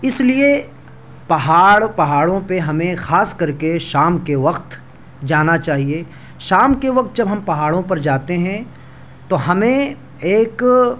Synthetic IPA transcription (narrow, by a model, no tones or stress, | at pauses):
ɪslie | pɐɦaːɽpɐɦaːɽõpeɦɐmẽxaːskɐɾkeʃaːmkeʋɐqt̪ | d͡ʒaːnat͡ʃaːɦie | ʃaːmkeʋɐq̚t̪̚d͡ʒɐbɦɐmpɐɦaːɽõpɐɾd͡ʒaːt̪eɦɛ̃ | t̪oɦɐmẽ | eːk